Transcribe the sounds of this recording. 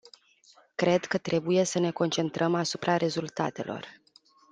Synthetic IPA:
kɾe̞d̪kət̪ɾe̞buje̞səne̞ko̞nt͡ʃe̞nt̪ɾəmasupɾʔaɾe̞zult̪a̰t̪e̞̰lʔo̞̰r

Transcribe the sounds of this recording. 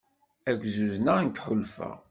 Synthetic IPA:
æɡʷzuznant̪ħʊlfæ̰ʁ

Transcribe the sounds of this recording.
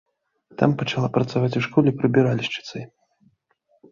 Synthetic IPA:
t̪a̰mpɐt͡ʂalˠapɾɐt̪savat͡sʲuʂkɔlʲɛipɾɨbʲiɾalʲiʂt͡ʃɨ̥t̪sɨj

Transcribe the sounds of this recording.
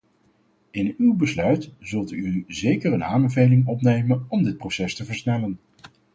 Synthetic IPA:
ɪnywbəslœɥtz̥ɵlˠtyzejkərəna̰ːmbəvejlɪŋɔpnejmənɔmdɪt̚prowsɛstəvəɹsnɛlən

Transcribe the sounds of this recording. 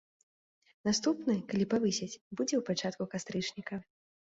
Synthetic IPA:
nast̪upnɨkalʲipavɨsʲɛt͡sʲbud͡zʲɛwpat͡ʂat̪̚kukast̪ɾɨt͡ʂnʲikɐ

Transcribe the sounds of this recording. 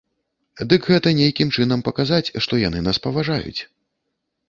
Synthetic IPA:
d̪ɨkɣɛt̪ɐnʲejkʲimt͡ʂɨn̪ɐmpɐkazat͡sʲʂt̪ɔjanɨnaspɐvaʐajṵt͡sʲ

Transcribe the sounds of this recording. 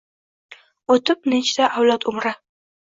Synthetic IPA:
ot̪ʰɪp̚nɪt͡ʃʰɪ̥t̪ʰaʔawlˠɒt̪ʊmɾa

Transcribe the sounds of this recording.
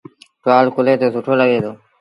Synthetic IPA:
ʈwaːlkʊleːt̪oːsʊʈʰoːləɠeːd̪oː

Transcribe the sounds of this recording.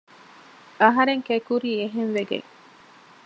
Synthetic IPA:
ɐɦɐɾeŋkekuɾiːeɦenʋeɡḛŋ

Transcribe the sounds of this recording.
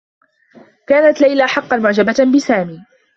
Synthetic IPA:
kaːnat̪lajlaħɑqːɑnmʊʕd͡ʒababɪsaːmiː

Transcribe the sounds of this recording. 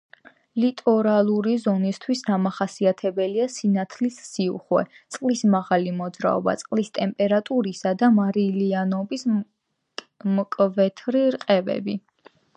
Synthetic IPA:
lit̪ʼɔɾalˠuɾizɔnist̪ʰwisd̪amaχasiat̪ʰɛbɛliasinat̪ʰlisːiṵχwɛ̰t̪sʼqʼlismaʁalimɔd̪zɾa̰ɔ̰ba̰t̪sʼqʼlist̪ʼɛmpʼɛɾat̪ʼuɾisad̪amaɾilianɔbis | mkʼvɛt̪ʰɾiɾqʼɛvɛ̰bi

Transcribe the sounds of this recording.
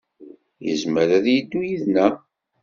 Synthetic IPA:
jə̰zməɾæðjid̪ːujiðnæ

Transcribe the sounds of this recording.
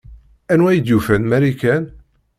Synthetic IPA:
ænwæjid̪jufænmæɾikæn

